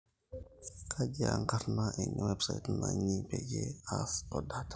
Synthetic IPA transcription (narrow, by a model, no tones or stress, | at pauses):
kʰad͡ʒaŋkaɾnaʔɛɲawɛpsajtnaɲiped͡ʒeasɔdat